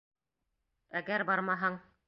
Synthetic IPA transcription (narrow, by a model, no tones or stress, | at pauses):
æɡæɾbɑɾmɑɦɤɴ